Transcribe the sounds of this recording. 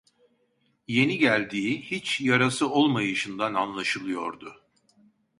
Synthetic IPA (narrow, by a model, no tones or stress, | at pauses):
je̞niɟælʲd̪iːhit͡ʃjaɾasɯo̞lˠmajɯʃɯnd̪ananlˠaʃɯlˠɯjo̞ɾd̪ʊ